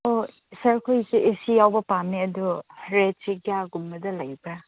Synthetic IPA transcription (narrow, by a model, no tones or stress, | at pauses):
o | sɐɾkʰojseʔesijawbɐpamniɐduɾet̚siɡijaɡumbɐdɐlɐjbɾa